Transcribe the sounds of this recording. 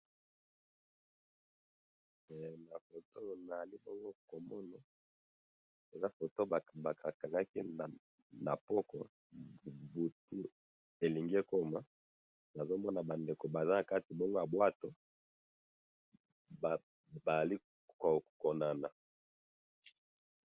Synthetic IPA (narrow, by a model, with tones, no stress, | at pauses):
ɛ˨na˨fo˨to˦˨na˨a˨li˦bɔ˦ŋɡo˦ko˨mɔ˦na˨ | e˨za˦fo˨to˦˨ba˨ka˨ka˨ŋa˦ki˦a˨ | na̰˨pɔ˦kɔ̰˨ | bu˨tu˦ | e˨li˨ŋɡe˦ko˦ma˦ | na˨zo˦mɔ˦na˨ba˨nde˨ko˨ba˨za˦na˨ka˦ti˨bɔ˦ŋɡo˦ja˨bwa˦to˦˨ | ba˨li˦˨ | ko˨na˨na˨